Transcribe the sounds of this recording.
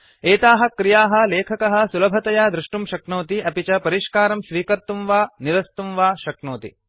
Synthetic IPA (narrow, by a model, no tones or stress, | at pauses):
eːt̪aːɦɐ̆kɾijaːɦɐ̆leːkʰɐkɐɦɐ̆sulɐbʱɐt̪ɐjaːd̪ɾuʂʈumʃɐkɳoːt̪iʔɐpit͡ʃɐpɐɾiʃkaːɾɐmsʋiːkɐɾt̪umʋaːniɾɐst̪umʋaːʃɐknoːt̪ḭ